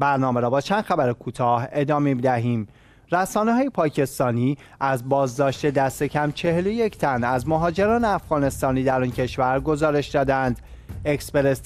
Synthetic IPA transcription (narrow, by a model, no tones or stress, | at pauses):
bæɾnɒːmeɾɒːbɒːt͡ʃʰænd̪xæbæɾekʰuːt̪ʰɒːhe̞d̪ɒːmemid̪æɦiːm | ɾæsɒːneɦɒːjepʰɒːcʰe̞st̪ɒːniː | æzbɒːzd̪ɒːʃt̪e̞d̪æst̪e̞cʰæmt͡ʃʰe̞heloje̞cʰt̪ʰænæzmoɦɒːd͡ʒe̞ɾɒːneæfɣ̥ɒːne̞st̪ɒːniːd̪æɾɒːncʰe̞ʃvæɾɡo̞zɒːɾe̞ʃd̪ɒːd̪ænd̪ | ekspeɾes